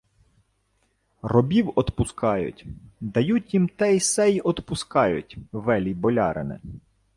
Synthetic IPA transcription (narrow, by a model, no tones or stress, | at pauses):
rɔbʲiwɔt̪pʊskɑjʊ̰tʲd̪ɐjutʲjimt̪ɛjsɛjɔt̪pʊskɑjʊtʲʋɛlʲibɔlʲɑ̰ɾɪ̰nɪ̰